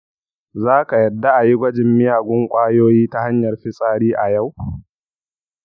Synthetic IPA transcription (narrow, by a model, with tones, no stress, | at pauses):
zaː˦ka˨jɐ˨dːa˦ʔa˨ji˦ɡʷɐ˦d͡ʒɪ˨mːɪ˦jaː˨ɡʷʊ˦ŋkʷʼaː˦joː˦jiː˦ta˦ha˦ɲjɐ˨rɸɪ˦sʼaː˦ɽiː˦ʔa˨ja˦˨w